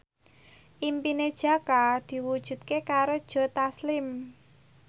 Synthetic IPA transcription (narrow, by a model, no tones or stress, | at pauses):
ʔimpined̥ʒ̥a̤kad̪̥i̤wud̥ʒ̥ṳt̪̚kekaɾod̥ʒ̥ɔ̤t̪aslɪm